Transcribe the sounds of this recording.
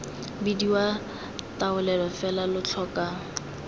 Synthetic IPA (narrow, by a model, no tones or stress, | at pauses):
bidiwa | taʊlɛlɔfɛlalʊt͡ɬʰɔka